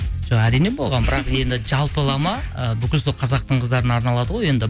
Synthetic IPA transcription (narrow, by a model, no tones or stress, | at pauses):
ʒ̥oʁæɾijne̞bo̞lˠʁɑnbɪɾɑqje̞nd̪ɪʒɑlˠpəlˠɑmɑəbʏkʲɪlso̞lˠqʰɑzɑq̚t̪əɴqʰəzd̪ɑɾənɑɾnɑlˠɑd̪əʁoje̞nd̪ɪ